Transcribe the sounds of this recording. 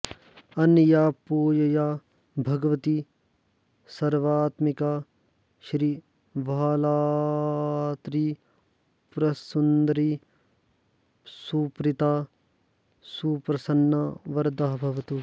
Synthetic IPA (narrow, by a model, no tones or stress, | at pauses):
ɐnjaːpoːjɐjaː | bʱɐɡʋɐt̪i | sɐɾʋaːt̪mikaː | ʃɾi | ʋalaː | t̪ɾi | pɾɐsund̪ɾi | supɾɪt̪aː | suːpɾɐsɐnːaʋɐɾd̪aːɦbʱɐʋɐt̪u